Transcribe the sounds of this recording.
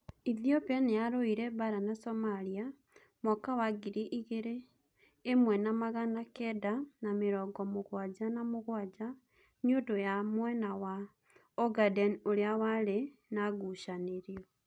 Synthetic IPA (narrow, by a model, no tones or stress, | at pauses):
iðjopenejaɾoiɾɛβaɾanasomalia | mokawaɡiɾeʔiɣeɾeː | mwɛnamaɣanakɛdanameɾɔɡɔmoɣwad͡ʒanamoɣwad͡ʒa | ɲiodojamwɛnawa | oɡadɛnoɾeawaɾenaɣuʃaneɾio